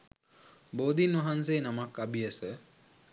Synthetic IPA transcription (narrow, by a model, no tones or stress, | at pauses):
boːd̪inʋɐɦanseːnamakːabijəsə